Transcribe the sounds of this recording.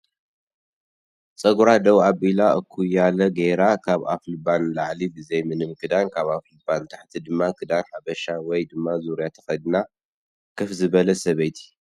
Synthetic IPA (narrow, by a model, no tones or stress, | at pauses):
t͡sʼɐɡuɾad̪ɐwabilaɨkʰujalɐɡeɾakʰaβa̰flɨbanlaʕlibɨzejmɨnɨmkʰɨd̪ankʰaβaflɨbant̪ʰaħt̪ʰid̪ɨmːakʰɨd̪anħabɐʃawɔjd̪ɨmːazuɾijat̪ʰɐ̥xɐd̪na | kʰɨfzɨβɐlɐsɐβejt̪ʰi